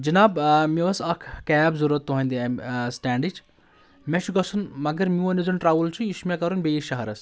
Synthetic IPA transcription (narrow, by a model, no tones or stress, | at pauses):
d͡ʒinaːbmeɐsɐkʰkɛːbzuɾɐt̪ːuɦɐ̃nd̪imsʈaːɳɖit͡ʃʰ | met͡ʃʰuɡɐsunmɐɡɐɾmʲuɐnizunʈɾaːʋult͡ʃʰuismekɐɾunbeiʃɐɦɐɾɐs